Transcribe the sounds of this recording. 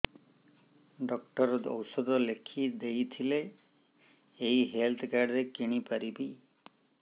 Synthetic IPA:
ɖɔkʈɔɾɔd̪ɔ̰wsɔd̪ɔlekʰid̪ejt̪ʰile | ɦiɦelt̪ʰɔkaɾɖɾekiɽ̃ipaɾibi

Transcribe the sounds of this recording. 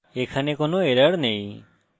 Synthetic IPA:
eːkʰanekonoːeɾəɽneĩ

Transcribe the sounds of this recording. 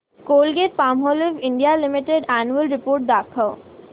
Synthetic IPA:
koːlɡeːɾ̚paːmɦoːliʋɪ̃ɳɖijalɪmɪʈeɖɛːnuəlɾɪpoːɾʈ̚d̪aːkʰəʋ

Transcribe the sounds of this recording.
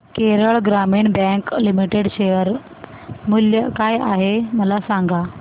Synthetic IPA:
keɾəɭɡɾamiːɳbɛ̃ŋklimiʈeɽɕejəɾ | muljəkajaɦeməlasaŋɡa

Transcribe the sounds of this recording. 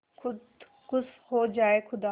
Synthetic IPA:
ʊ | kʊshoːd͡ʒaːekʰʊd̪aː

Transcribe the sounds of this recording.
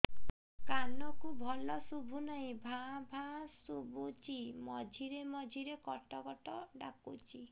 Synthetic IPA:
kanɔkubʱɔlɔsubʱunaĩbʱabʱãsubut͡ʃimɔd͡ʒʱiɾemɔd͡ʒʱiɾekɔʈɔɡɔʈɔɖa̰kut͡ʃi

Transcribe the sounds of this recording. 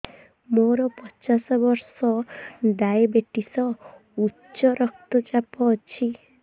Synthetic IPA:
moɾɔpɔt͡ʃasɔbɔɾsɔd̪ajbeʈisɔ | utːʃɔɾɔk̚t̪ɔt͡ʃapɔːt͡ʃʰi

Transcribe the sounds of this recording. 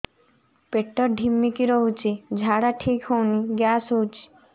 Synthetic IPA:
peʈːɔɾɖʱimːikiɾoɦut͡ɕʰid͡ʑʱaɽaʈʰikɦowniɡasɦowt͡ɕʰi̥

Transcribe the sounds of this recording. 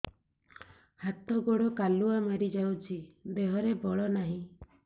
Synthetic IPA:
hat̪ɔɡoɽɔkaluamaɾid͡ʒawt͡ʃʰib̪eɦɔɾebɔɭɔnaɦĩ

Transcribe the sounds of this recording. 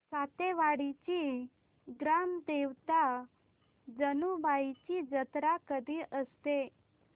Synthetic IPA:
sat̪eʋaɽit͡ɕi | ɡɾamd̪eʋt̪a | d͡ʑənubait͡ɕid͡ʑət̪ɾakəd̪ʱiːʔəst̪e

